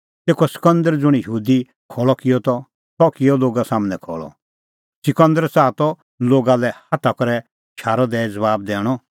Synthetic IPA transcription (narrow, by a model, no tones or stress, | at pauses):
t̪eːkɔsɪ̥kə̃nd̪əɾd͡zʊɽ̃ijəɦuːd̪i | kʰɔːɭɔkɪjɔt̪ɔ | t̪ɔkɪjɔloːɡasaːmənɛkʰɔ̰ːɭɔ̰ | sɪkə̃nd̪əɾt͡saːt̪ɔ | loːɡalɛhat̪ʰakɔɾɛ | ʃʰaːɾɔd̪ɛd͡zɐβaːb̚d̪ɛːɽ̃ɔ